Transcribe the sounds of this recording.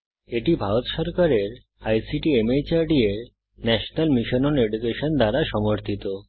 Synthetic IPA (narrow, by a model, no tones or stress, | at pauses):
eʈibʱaɾot̪ʃɔɾkaɾeɾ | ajsiʈiemejt͡ɕaɾɖieɾ | nɛʃonalmiʃononeɖukeʃond̪aɾaʃɔmoɾt̪ʰit̪o